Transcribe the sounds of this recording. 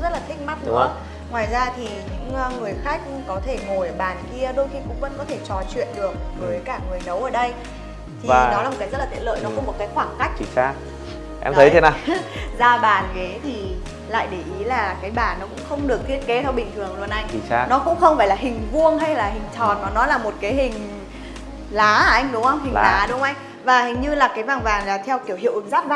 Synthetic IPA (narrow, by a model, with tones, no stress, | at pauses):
zə˦˥t̚läː˨˩˦ŋ̟ma˦˥t̚nɨ˧˥ə˧ | ŋwaː˨˩jzaː˧t̪ʰi˨˩ɲɨ̰˧˥ŋ˧ŋɨ˨˩əjxaː˦˥k̚kɔ˨˦t̪ʰe˧˩ŋo˨˩jəː˧˩ɓaː˨˩nki˧əɗo˧jxi˧kʊ̰˧˥ŋ͡mvə̰˧˥nkɔ˨˦t̪ʰe˧˩t͡ɕɔ˨˦t͡ɕwḭ˧˨ənɗɨ˨˩ək̚vəː˨˦jkaː˧˩ŋɨ˨˩əjnə˨˦wʔəː˧˩ɗə˧j | t̪ʰi˨˩aː˨nɔ˨˦laː˨˩o˨˩t̚aː˨˦jzə˦˥tla˨˩i˧˥lə̰ː˧˨jnɔ˨˦kɔ˨˦mo˨˩t̚kaː˨˦jxwaː˧˩ŋka˦˥jk̟̚t͡ɕi˨˩saː˧ | ʔɛ̰˧mt̪ʰə˨˦tʰe˨˦naː˨˩wzaː˧ɓaː˨˩nke˨˦t̪ʰi˨˩ | la̰ː˧˨jɗe˧˩ʔi˨˦laː˨˩kaː˨˦jɓaː˨˩nːɔ˨˦kʊ̰˧˥ŋ͡mxə˧wŋ͡mɗɨ˨˩ək̚t̪ʰi˦˥ət̚ke˨˦t̪ʰə˧ɓï˧˨ŋ̟t̪ʰɨ˨˩əŋlu˧ənʔa˧jŋ̟i˨˩t͡ɕaː˧nɔ˨˦kʊ̰˧˥ŋ͡mxə˧wŋ͡mfaː˧˩jlaː˨˩ɦï˨˩ŋ̟vu˧əŋɦa˧jlaː˨˩ɦï˨˩ŋ̟t͡ɕɔ˨˩t̚nɔ˨˦nɔ˨˦laː˨˩mo˨˩t̚kaː˨˦jɦï˨˩ŋ̟ | laː˨˦˧ʔa˧jŋ̟ɗʊ˨˦ŋ͡mhə˧wŋ͡mhi˨˩˨laː˨˦ɗʊ˨˦ŋ͡mʔa˧jŋ̟ | vaː˨˩hi˨˩ŋ̟ɲɨ˧laː˨˩kaː˨˦jvaː˨˩ŋvaː˨˩nlaː˨˩t̪ʰɛ˧wki˧˩əwhḭ˧˨əwʔɨ˨˦ŋzaː˦˥t̚vaː˨˩